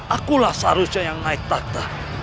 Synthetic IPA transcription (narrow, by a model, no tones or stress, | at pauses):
ʔakulahsaɾusɔjaŋnaɪk̚t̪ad̪̥a